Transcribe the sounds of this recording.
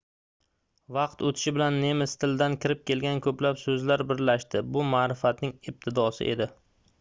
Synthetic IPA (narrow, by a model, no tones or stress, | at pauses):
vɑqt̪ot̪ʰɪ̥ʃɪbɪlanːe̞mɪst̪ʰɪld̪ankʲɪɾɪp̚kʲe̞lɡʲankʰɵplapsɵzlaɾbɪɾlaʃt̪ɪbʊmaːɾɪfat̪nɪŋɪb̚t̪ʰɪd̪ɒsɪ̰ʔe̞d̪ɪ